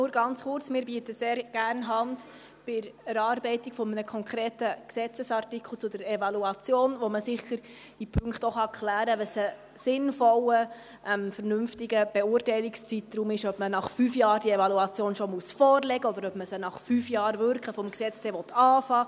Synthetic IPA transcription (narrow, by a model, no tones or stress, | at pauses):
nʊːɾɡɑnt͡sχʊɾt͡smɪːɾbiːtəseːɾɡ̥æːrnɦɑnd | b̥ɪɾæɾɑːɾbɛɪtɪkfɔmənəkʰɔŋkʰʁeːtəksɛt͡səsɑrtikχl̩t͡sʊdəɾɛvɑluɑt͡sjoːnʋoməsɪχəɾ | d̥ipʰɵŋkχtɔχɑkχlæːɾəʋəsə | sɪnfɔlə | ʔɛmfəɾnʏmftɪɡəb̥ɛʊːrtɛɪlɪkst͡sitɾumɪʃœbmənɑχfyːfjɑːɾd̥iɛvɑluɑt͡sjoːnʃɔmusfɔːrlɛɡəɔd̪əɾœbməsənɑχfyːfjɑːɾvʏɾkχəfɔmksɛt͡ssɛʋɔt̪ʰɑːfɑː